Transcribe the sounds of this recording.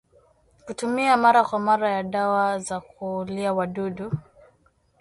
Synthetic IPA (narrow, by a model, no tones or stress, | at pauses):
kutumiamaɾakwamaɾajaɗawazakuliawaɗuɗu